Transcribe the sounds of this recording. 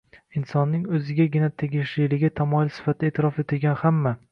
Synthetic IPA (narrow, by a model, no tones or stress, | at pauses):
ɪnsɒnːɪŋɵzɪɡʲaɡʲɪnat̪ʰeɡʲɪʃlɪlɪɡʲɪt̪ʰamɒɪlsɪ̥fat̪ʰɪaeːt̪ʰɪɾɒfet̪ʰɪlɡʲanhamːa